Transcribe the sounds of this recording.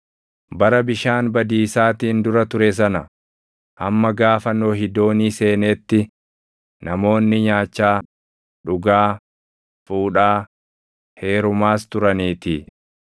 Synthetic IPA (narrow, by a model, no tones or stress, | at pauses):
bɐɾɐbɪʃaːnbɐd̪iːsaːt̪iːnd̪ʊɾɐt̪ʊɾɛs̬ɐnɐ | ʔɐmːɐɡaːfɐnːo̞ːɦɪd̪o̞ːniːse̞ːneːt̪ːɪ | nʔɐmo̞ːnːɪɲaːt͡ʃːaː | ᶑʊɡaː | fuːᶑaː | he̞ːɾʊmaːst̪ʊɾɐniːt̪ɪ